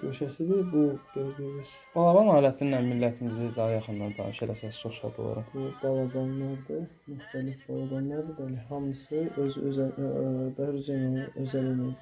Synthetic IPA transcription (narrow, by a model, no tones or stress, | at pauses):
ɟøʃæsid̪ibud̪øɾɡyɾyz̥ | b̥ɑlˠɑbɑnɑːlæt̪ʰininænmilːæt̪ʰimizid̪ɑɦɑjɑχɯnd̪ɑnd̪ɑ̰nɯʃeɾæsɑst͡ʃʰoʃˠɑ̰d̪o̰lˠɑ̰ɾɯbubɑlˠɑbɑnlɑɾd̪ɯ | myxt̪ælifbɑlˠɑbɑnːˠɑɾd̪ɯbæliɦɑmɯsɯøzøz | b̪æhɾyzænæøzælæmijd̪i